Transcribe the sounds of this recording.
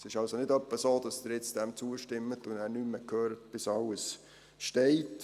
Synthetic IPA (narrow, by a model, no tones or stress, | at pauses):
sɪʃɑlsonɪdœpːəsoːd̥ɑsdɪɾjɪt͡sd̥ɛmt͡suəʃtɪmːətʊndæːɾnyməkʰøːɾət̚b̥ɪsɑləs | ʃtɛɪt